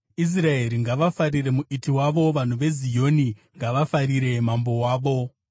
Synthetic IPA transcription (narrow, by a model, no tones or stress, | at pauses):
is̬rae̞ɾiŋɡaʋafaɾire̞muʔitiwaʋo̞ʋan̤uʋe̞zijo̞niŋɡaʋafaɾiɾe̞mambo̞waːʋo̞